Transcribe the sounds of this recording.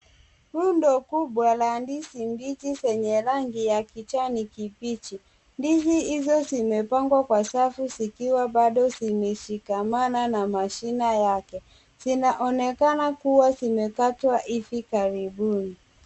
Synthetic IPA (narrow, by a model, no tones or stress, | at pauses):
ɾundɔkuɓwalandisimbitisɛɲɛɾaŋɡijakit͡ʃanikipit͡ʃi | ndiziɦizɔzimɛpaŋɡwakwasafusikiwaɓaɗɔzimɛʃikamananamaʃinajakɛ | z̥inaʔɔnɛkanakuwazimɛkatwaʔifikaɾiɓuni